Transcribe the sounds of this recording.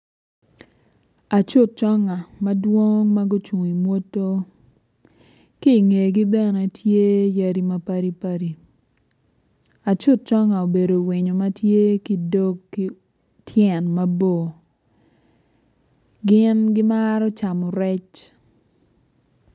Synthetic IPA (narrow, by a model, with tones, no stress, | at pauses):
a˨t͡ʃʊ˦t̚t͡ʃɔ˦ŋa˨ma˦dwo˦ŋma˦ɡʊ˦t͡ʃu˨ŋi˨mwo˦tːo˦ | ki˦˨ŋe˨ɡi˦bɛ˦ne˨tʰje˦ja˦ɾi˦ma˦pa˦ɾi˦pa˦ɾi˨ | a˨t͡ʃʊ˦˨t̚t͡ʃɔ˦ŋa˨o˨be˨do˨wɪ˨ɲo˨ma˦tje˦ki˦do˦kːi˦ | tʰjɛ˨nma˦bo˦˨ | ɡɪ˦nɡɪ˦ma˦ɾɔ˦t͡ʃa˨mɔ˨ɾɛ˦t͡ʃ